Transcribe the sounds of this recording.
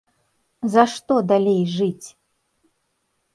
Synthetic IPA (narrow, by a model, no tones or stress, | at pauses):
zɐʂt̪ɔd̪alʲejʐɨt͡sʲ